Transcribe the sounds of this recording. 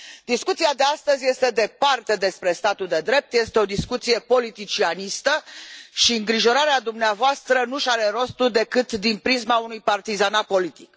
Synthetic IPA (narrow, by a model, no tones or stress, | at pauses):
d̪iskut̪siad̪e̞ast̪əzʲje̞st̪e̞d̪e̞part̪e̞d̪e̞spɾe̞st̪at̪uld̪e̞d̪ɾe̞p̚t̪je̞st̪eo̞d̪iskut̪sije̞po̞lit̪it͡ʃianist̪əʃiɨŋɡɾiʒo̞ɾaɾead̪umneavoast̪ɾənuʃaɾe̞ɾo̞st̪ud̪e̞kɨt̪d̪inpɾizmaunujpart̪izanapo̞lit̪ik